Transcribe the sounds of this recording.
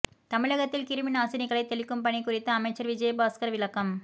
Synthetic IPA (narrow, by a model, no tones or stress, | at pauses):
t̪ɐmɪɻɐɣɐt̪ːɪlkɪɾɯmɪnaːsɪnɪɣɐɭɐɪt̪ːɛɭɪkːɯmpɐɳikːʊrɪt̪ːɯɐmɐɪt͡ʃːɐɾʋɪd͡ʒɐjɐbaːskɐɾʋɪlɐkːɐm